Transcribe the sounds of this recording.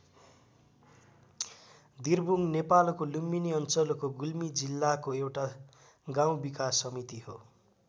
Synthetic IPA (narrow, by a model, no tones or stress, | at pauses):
d̪irbuŋnepalkoluminiʌnt͡sʌlokoɡulmid͡zilːakoewʈa | ɡaw̃bikasʌmit̪iho